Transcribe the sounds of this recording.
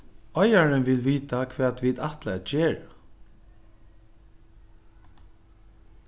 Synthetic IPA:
ɔjaɹənʋɪlʋiːt̪akʰʋɛːt̪ʋit̪aht̪laɛd͡ʒeːɹa

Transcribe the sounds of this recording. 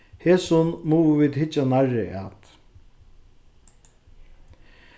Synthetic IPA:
heːsʊnmuːviːd̪ɦɪt͡ʃːanarɪʔa̰t̪

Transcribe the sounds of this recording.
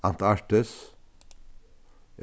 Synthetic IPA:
ɑnt̪ɑʈəs

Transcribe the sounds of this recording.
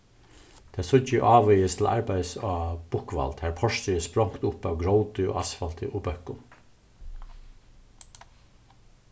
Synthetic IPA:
t̪ʰeːsʊd͡ʒəʔɑːʋœjəst̪ʰl̩ʔɑ̰ɹbæɪsɑːb̥ʊkʋɑ̰lt̪hæːɹpʰɔʃt̪ʏəspɹɔŋkt̪ʊpɑːʋɡɹoʊt̪ʏo̰ːʔɑsfɑlt̪ʰɪʔoːbœkʊm

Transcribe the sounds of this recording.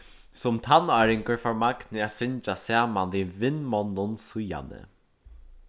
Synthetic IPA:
sʊmt̪ʰanœɾɪŋkəɹfaɹmaknɪaːsɪɲt͡ʃasaːmandivɪnmɔnːʊnsʊja̰nə̰

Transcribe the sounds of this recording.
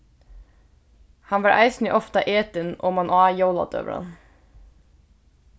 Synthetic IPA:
hɑnʋɑːɾʔæ̰ɪsnɪʔɔft̪ɑʔeːt̪ənʔoːmɑnʔɑːjoːlɑ̰t̪ø̰ːʋə̰ɾɑ̰n

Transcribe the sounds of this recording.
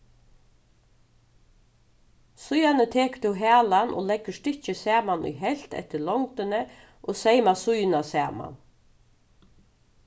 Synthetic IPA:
sʊjanət̪ʰeːkt̪ʰɪɦæːlanʔo̰ːlɛkːəʂt̪ɪt͡ʃɪsæːmanʊ̰jɦɛl̥t̪ɛ̰ht̪ɪɾlɔŋt̪ɪnə | ʔoːsejmasʊjnasæːma̰n

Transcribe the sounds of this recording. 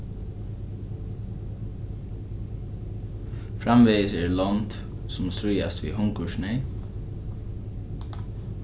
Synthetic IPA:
fɾamʋeːsɛɹlɔnt̪ | sʊmsɾʏjast̪vḭɦʊŋkʊʂne

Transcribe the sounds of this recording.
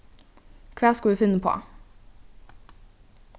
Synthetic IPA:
kʰʋæːskɑld̪ʉːfɪnːəpʰo̰ː

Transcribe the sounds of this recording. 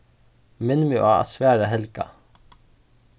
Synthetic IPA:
mɪnmɪʔa̰ːa̰t̪svæːɹaɦɛlka̰

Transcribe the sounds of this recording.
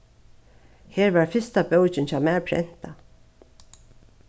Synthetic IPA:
heːɹvaːɹfɪst̪abœwt͡ʃɪnt͡ɕaːmæːɹpʰɾɛ̰n̥t̪a

